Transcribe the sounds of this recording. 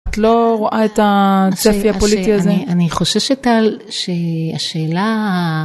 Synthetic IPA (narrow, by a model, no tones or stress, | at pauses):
at̪lo̞ʁoʔaetat͡sefiapolit̪iazeaniχo̞ʃeʃetalʃe̞aʃe̞ːla